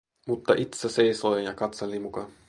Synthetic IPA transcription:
mut̪ːɑʔit̪sesejsojjɑkɑt̪selimukɑ

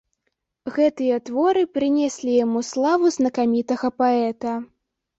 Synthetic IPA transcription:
ɣɛt̪ɨjɐt̪vɔɾɨpɾɨnʲɛsʲlʲijamuslˠavuznɐkamʲit̪ɐɣɐpaɛt̪ɐ

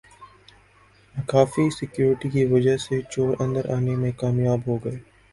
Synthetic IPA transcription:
kaːfisɪkjuːɾɪʈikiʋɐd͡ʒəset͡ʃoːɾɐ̰̃nd̪əɾʔaːnemẽkaːmjaːbɦoɡɐeː

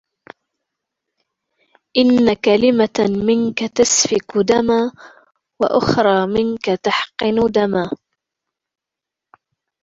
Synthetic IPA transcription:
ʔɪnːakalɪmamɪnkat̪asfɪkʊd̪amaː | wa̰ʔʊ̰xɾˤɑːmɪnkat̪aħqɨnʊd̪amaː

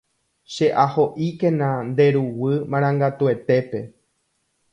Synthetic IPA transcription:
ʃeʔaho̞ʔikẽnãnd̪e̞ɾuwɨmãɾ̃ãŋɡat̪ue̞t̪e̞pe̞

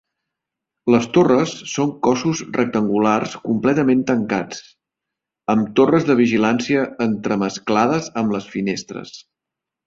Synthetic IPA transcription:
ləst̪orəsːoŋkɔsuzrək̚t̪əŋɡularskumplɛt̪əment̪əŋkat͡s | əmt̪orəzðəβ̞iʒilansiəːnt̪ɾəməsklaðəzəmləsfinest̪ɾə̰s

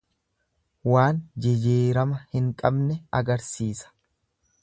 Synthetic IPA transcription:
waːnd͡ʒɛd͡ʒeːɾɐmɐhɪŋkʼɐbnɛɐɡɐɾsiːsɐ̥

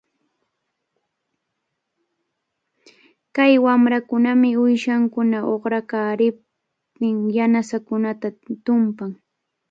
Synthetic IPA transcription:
kajwamɾakʊnamɪʊjʃaŋkʊnaʔoχɾakaːɾɪp̚ | t̪ɪŋjanasakʊnat̪at̪ʊmpaŋ

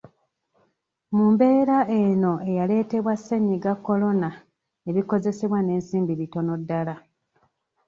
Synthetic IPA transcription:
mumbe̞ːɾaʔe̞no̞e̞jale̞ːte̞βwasːeɲiɡakːo̞lo̞na | e̞βiko̞ze̞se̞βwane̞ːnsiːmbiβito̞no̞dːala

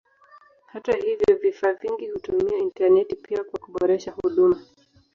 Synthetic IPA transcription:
hatahivjɔvifaːviŋɡihutumiɛintanɛtipiakwakuɓɔɾɛʃahuɗuma

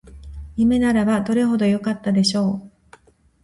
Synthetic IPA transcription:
jime̞naɾabad̪o̞ɾe̞ɦo̞d̪o̞jo̞kat̪ːad̪e̞ɕo̞ː

